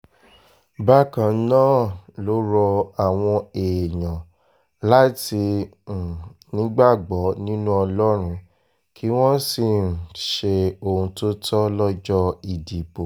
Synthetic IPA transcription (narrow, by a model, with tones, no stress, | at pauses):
ba˦kã˨˦nãː˦˨lo˨˦ɾɔ˧a˨w̃ɔ̃˧e˨jã˨ | la˦tĩ˧˨ | nĩ˨˦ɡ͡ba˦˨ɡ͡bɔ˨˦nĩ˦nũ˦ɔ˧lɔ˦ɾ̃ũ˧ | kʰi˦w̃ɔ̃˦si˦˨ʃe˧o˨ũ˧to˦tʰɔ˦lɔ˦d͡ʒɔ˦i˨di˨bo˨